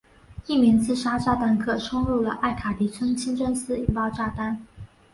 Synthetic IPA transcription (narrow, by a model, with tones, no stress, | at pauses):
i˥˩mjɛ˧˥nt͡sʰɹ̩˥˩ʂa˥ʈ͡ʂa˥˧˩t̪a˥nkʰɤ˥˩ʂʰʊ˥ŋɻu˥˩lə˩ʔa˥˩ɪkʰa˨˩t̪i˧˥t͡sʰwə˥nŋt͡ɕʰi˥nʈ͡ʂə˥˧nsɹ̩˥i˨˩ŋpɑ˥˧ʊʈ͡ʂa˥˩t̪a˥n